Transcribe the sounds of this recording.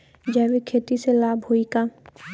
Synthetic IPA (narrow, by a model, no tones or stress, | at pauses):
d͡ʒabikʰeːt̪iselaːbʱɦoika